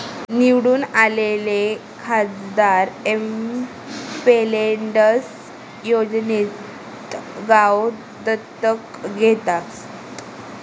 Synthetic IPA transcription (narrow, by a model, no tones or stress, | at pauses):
niwɽuːnalele | kʰad͡zd̪aɾem | peleɳɖəs | jod͡znit | t̪ɡaw | d̪ət̪ːək | ɡʱet̪as